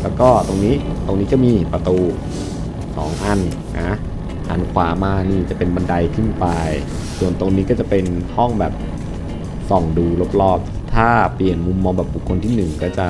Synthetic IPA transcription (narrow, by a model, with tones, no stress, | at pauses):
lɛː˦˥wkɔː˥˩t̪o˧ŋniː˦˥t̪o˧ŋniː˦˥t͡ɕa˨˩miː˧pɾa˧t̪uː˧ | sɔː˩˦ŋʔa˧n | na˦˥ | ʔa˨˧nu˦˥kʰwaː˨˩˦maː˧niː˥˩t͡ɕa˨˩pe˧nba˧nda˧jkʰɯ˥˩npa˧j | su˨˩ənt̪o˧ŋniː˦˥kɔː˥˩t͡ɕa˨˩pe˧nhɔ˥˩ŋbɛː˨˩p̚ | sɔ˨˩ŋduː˧lo˦˥p̚lɔː˥˩p̚ | t̪ʰaː˥˩pli˨˩ənmu˧mːɔː˧bɛː˨˩p̚bu˨˩kʰːo˧nt̪ʰiː˥˩nɯ˨˩ŋkɔː˥˩t͡ɕa˨˩